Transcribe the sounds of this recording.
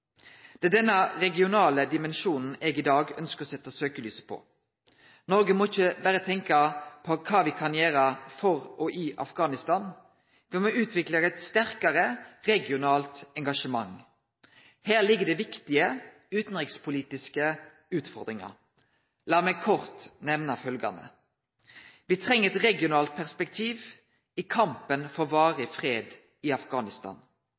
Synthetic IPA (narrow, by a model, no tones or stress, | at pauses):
d̪̥ɛd̪ɛnːəʁɛɡɪʊnɑːləd̪ɪmɛnʃuːnn̩eːɡɪd̪ɑːɡœnskəʁɔsɛt̪ːəsøːkəlyːsə̥pʰɔ̰ | nɔɾɡəmɔɪçːəbæɾət̪ʰɛŋkɑpʰɔkʰɑːʋɪkʰɑnjeːɾəfɔʁɔʔɪʔɑ̰fɡɑːnɪst̪ɑn | ʋɪmɔʉːt̪ʰʋɪkləɾɛt̪st̪æʁkɑʁəʁɛɡɪʊnɑːlt̪ɛŋɡɑʂəmɑ̰ŋ | hæːʁlɪɡːəd̪ɛʋɪkt̪ɪə | ʉːt̪n̩ʁɪkspʰʊliːt̪ɪskə | ʉːt̪fɔ̰ʁd̪ʁɪŋɑ̰ | lɑːmɛkʰɔʁt̪nɛʋnɑfœlɡɑ̰nə̰ | ʋɪt̪ʰʁɛŋːəɛt̪ʁɛɡɪʊnɑːlt̪̚pʰæʁspɛk̚t̪ʰiːʋ | ɪkʰɑmpənfɔʁʋɑːʁəfʁeːd̪ | ɪɑfɡɑːnɪst̪ɑ̰ːn